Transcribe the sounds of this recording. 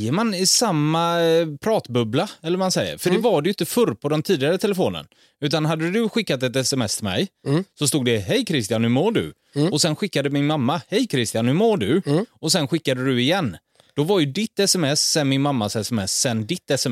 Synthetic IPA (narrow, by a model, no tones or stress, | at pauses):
əmanɪsamːapʰɾɑːt̪bɵblaɛlːəɾmansɛjːə̰ɾfœɖɛvaɖɛjʏnt̪əfɵɾpʰɔd̪ɛmt̪ʰiːd̪ɪaɾət̪ʰɛləfoːnə̰n | ʉ̟ːt̪anɦad̪ːəd̪ɵɧɪkːat̪ɛt̪ɛsɛmɛ̰st̪ʰɪlmɛ̰jsɔst̪uːɡ̪̚d̪ɛɦɛjkʰɾɪst̪ɪjanhʉmoːɖɵ̰ | ɔsɛnɧɪkːad̪əmɪnmamːahɛjkʰɾɪst̪ɪjanhʉmoːɖɵɔsɛnɧɪkːad̪əd̪ɵɪjɛnː | d̪̥ɔvaɾjɵd̪ɪt̪ːɛsɛmɛsːɛnmɪnmamːasɛsɛmɛsːɛnd̪ɪt̪ːɛsɛ